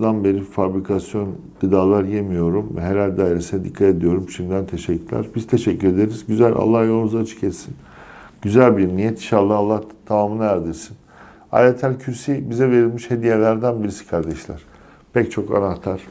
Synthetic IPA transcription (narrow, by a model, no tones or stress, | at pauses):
d̪anbe̞ɾifabɾikʰasjo̞nd̪̥ɯd̪aːlˠaɾjemijo̞ɾumvɛ̰ɦeɾælʲd̪aːiɾesinɛd̪ikʰːat̪ed̪ijo̞ɾumʃimd̪ænt̪ʰe̞ʃɛcʰːyɾlʲæ̰ɾbizt̪ʰe̞ʃɛcːyɾe̞d̪eɾizɟyzælʲa̰lˠːahjo̞lˠnuzat͡ʃʰɯ̥cʰet̪sin | ɟyzælʲbiɾnijɛt̪ʰiʃalˠːahalˠːaht̪ʰamaːmɯnajæɾd̪iɾsin | a̰ːlet̪ʰælʲcʰyɾsibizɛve̞ɾilʲmiʃhe̞d̪ijelʲæɾd̪ænbiɾisi̥kʰaɾd̪ɛʃlʲæ̰ɾ̥ | pʰɛct͡ʃʰo̞ka̰naht̪ʰaɾ̥